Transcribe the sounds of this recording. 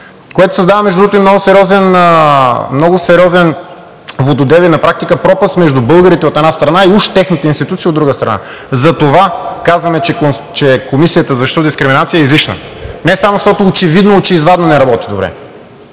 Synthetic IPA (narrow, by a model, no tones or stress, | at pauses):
koɛt̪ʊ̥sɐzd̪avɐmɛʒd̪uot̪oimnɔɡʊsɛɾiɔzɛnəmnɔɡʊsɛɾʲiɔzɛn | vod̪od̪ɛvinɐpɾak̚t̪ikəpɾɔpəsmɛʒd̪ubɤlˠɡəɾit̪ɛot̪ɛd̪nast̪ɾɐnaiuʃt̪ɛxnit̪ɛinst̪it̪ut̪siod̪ɾuɡəst̪ɾɐ̰na̰ | zɐt̪ovakazvɐmɛt͡ʃɛkt͡ʃɛkomisijət̪əzɐʃt̪od̪iskɾiminat̪sijəɛizliʃnə̰nɛsamoʃt̪ɔt̪oːt͡ʃɛvid̪not͡ʃɛizvad̪nonɛɾɐbɔt̪id̪obɾɛ̰